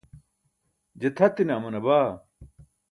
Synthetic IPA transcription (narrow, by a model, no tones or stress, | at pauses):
d͡ʑet̪ʰɐt̪ːineɐmɐnɐbaː